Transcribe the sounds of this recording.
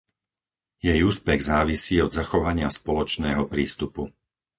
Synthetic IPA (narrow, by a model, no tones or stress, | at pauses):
jɛjuːspɛɣzaːʋisiːɔd̪zaxɔʋaɲɪaspɔlɔt͡ʃnɛːɦɔpɾiːst̪upu